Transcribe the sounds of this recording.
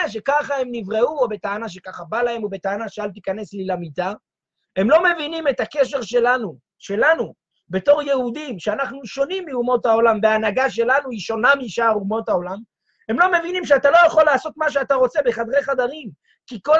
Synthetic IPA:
aʃ̬e̞kaχahe̞mnivʁeuobe̞t̪aːnaʃ̬ekaχabalahe̞mobe̞t̪aːnaʃealt̪ikane̞slilamita | e̞mlo̞me̞vinimet̪ake̞ʃ̬e̞ʁʃelanu | ʃe̞lanu | be̞to̞ʁjehud̪imʃeanaχnuʃo̞nimːiumo̞tao̞lambeanaɡaʃ̬e̞lanuiʃo̞namiiʃaʁumo̞thao̞lam | he̞mlo̞me̞vinimʃ̬eat̪alo̞jaχo̞lːaːso̞t̪maʃ̬eat̪aʁo̞t͡se̞be̞χad̪ʁeχad̪aʁim | kiko

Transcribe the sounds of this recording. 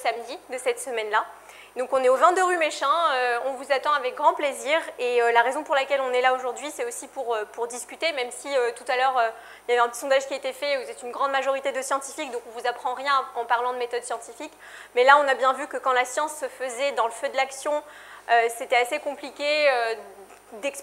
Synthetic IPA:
samd̪id̪əsɛt̪səmɛnla | d̪ɔ̃kɔ̃nɛovɛ̃d̪əʁymeʃɛ̃øɔ̃vuzat̪ɑ̃avɛk̚ɡʁɑ̃pleziʁeølaʁezɔ̃puʁlakʲɛlɔ̃nɛlaoʒuʁd̪ɥisɛt̪osipuʁøpuʁd̪iskʲyt̪emɛmsiøt̪ut̪alœʁø | iljavɛɛ̃pət̪isɔ̃d̪aʒkʲiet̪efɛvuzɛt̪ynɡʁɑ̃d̪maʒɔʁit̪ed̪əsjɑ̃t̪ifik̚d̪ɔ̃kɔ̃vuzapχɑ̃ʁjɛ̃ɑ̃paʁlɑ̃d̪əmet̪ɔd̪sjɑ̃t̪ifik | mɛlaɔ̃nabjɛ̃vykəkɑ̃lasjɑ̃sːəfəzɛd̪ɑ̃ləfød̪əlaksjɔ̃øset̪ɛasekɔ̃plikʲeø | d̪ɛks

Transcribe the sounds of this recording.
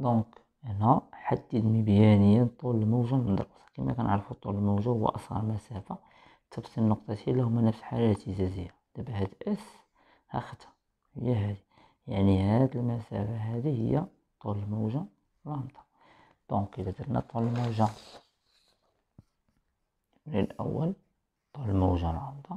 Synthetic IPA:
d̪ɔ̃k | ʔənæħad̪ːid̪mibjænəjːænt̪ˤullmuwʒæmd̪ɾˤɑsɑ̥kimæ̰kænʔəʕɾfut̪ˤːuləlmuwʒæhʊwːæ̰ʔɑsˤhɑ̰ɾˤlmæsæfa | t̪ʰəbsinːʊq̚t̪ˤɑt̪ilːæhʊmːænəfsħalæt̪əzæzəjːad̪̥æbæhæd̪ʔəs | hæ̰xət̪ːæ̥ | həjːæɦæd̪i | jaʕnihæd̪əlmæsæ̰faɦæd̪ihə̰jːæ | t̪ˤːuləlmuwʒa | ɾˤɑmt̪ˤɑ̥ | d̪̥ɔ̃kəlæd̪əɾnæ̰t̪ˤːuləlmuʒa | bɾiəlʔæ̰wːəl | t̪ˤːuləlmuwʒaɾˤɑmt̪ˤɑ

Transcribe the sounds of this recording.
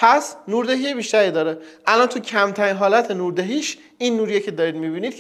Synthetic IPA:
pʰæsnuːɾd̪eɦijebiːʃt̪æɾiːd̪ɒːɾeʔælɒnt̪ʰucʰæmt̪ʰæɾiːnɦɒːlæt̪ʰenuːɾd̪eɦiːʃ | inːuːɾijecʰe̞d̪ɒːɾiːd̪mibinid̪̥̚ʰ

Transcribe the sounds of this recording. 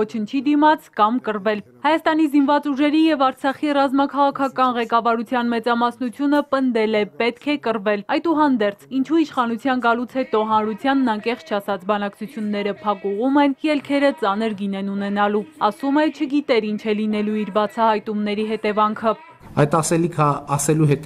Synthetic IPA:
ɔt͡ʃʰənt͡ʃʰid̪imɑt͡sʰkɑmkərvɛl | hɑjɑst̪ɑnizinvɑt͡suʒɛɾijɛvɑɾt͡sʰɑχirɑzmɑkʰɑʁɑkʰɑkɑnʁɛkɑvɑɾut͡sʰjɑnmɛt͡sɑmɑsnut͡sʰjunəpənd̪ɛlɛpɛt̪kʰɛkəɾvɛlɑjt̪uɦɑnd̪ɛɾt͡sʰint͡ʃʰuiʃχɑnut͡sʰjɑnɡɑlut͡sʰhɛt̪ɔɦɑnɾut͡sʰjɑnːɑŋkɛχt͡st͡ʃʰɑsɑt͡sʰbɑnɑkt͡sʰut͡sʰjunːɛɾəpʰɑkuʁumɛnjɛlkʰɛɾət͡sɑnəɾɡinɛnunɛnɑluɑsumɛt͡ʃʰəɡit̪ɛɾint͡ʃʰɛlinɛluiɾbɑt͡sʰɑhɑjt̪umnɛɾiɦɛt̪ɛvɑŋkʰə | ɑjt̪ɑsɛlikʰəɑsɛluɦɛt̪

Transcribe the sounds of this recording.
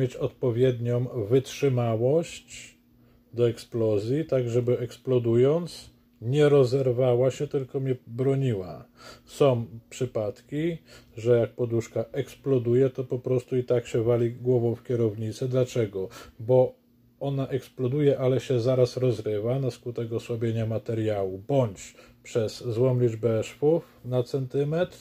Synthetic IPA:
mʲet͡ɕɔt̪̚pɔvʲjɛd̪ɲɔ̃w̃vɘtʂɘmawɔɕt͡ɕ | d̪ɔɛksplɔzʲjit̪aɡʐɛbɘɛksplɔd̪ujɔnt̪s | ɲɛɾɔzɛɾvawaɕɛt̪ɘlkɔmʲɲɛbɾɔɲiwa̰sɔ̃w̃pʂɘpat̪kʲiʐɛjak̚pɔd̪uʂkaɛksplɔd̪ujɛt̪ɔpɔpɾɔst̪uit̪akɕɛvalʲiɡwɔvɔ̃w̃fkʲɛɾɔvɲit̪sɛd̪lat͡ʂɛɡɔbɔ | ɔnaʔɛksplɔd̪ujɛʔalɛɕɛzaɾasɾɔzɾɘvanaskut̪ɛkɔswɔbʲjeɲamat̪ɛɾjawubɔɲt͡ɕpʂɛzzwɔmlʲid͡ʐbɛʂfufnat̪sɛnt̪ɘmɛt̪ɾ

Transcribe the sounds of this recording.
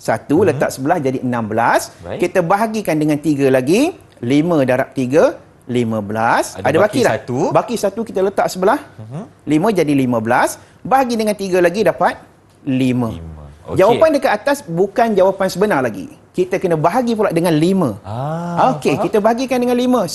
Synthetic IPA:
sat̪ulət̪a̰ʔsəbəlahd͡ʒadiənãmbəlaskit̪əbaɦaɡikandəŋant̪iɡalaɡi | limə̃daɾa̰p̚t̪iɡə | limə̃bəlasadabakiaubakisat̪ukit̪ələt̪aʔsəbəlahlimə̃d͡ʒadilimə̃bəlas | baɦaɡidəŋant̪iɡəlaɡidapat̪̚ | limə̰̃d͡ʒawapandəkat̪at̪asbukand͡ʒawapansəbənarlaɡḭkit̪əkənə̃baɦaɡip̬ulaʔdəŋãnlimə̃okekit̪əbaɦaɡikandəŋãnlimə̃

